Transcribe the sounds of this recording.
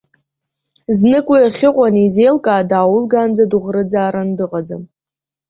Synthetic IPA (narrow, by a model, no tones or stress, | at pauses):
znɨkʷʼaaχʲɪqʷʼanizejlkʼaːdaːwʊlɡand͡zaduʁrɨd͡zaːɾandɨqʼad͡zam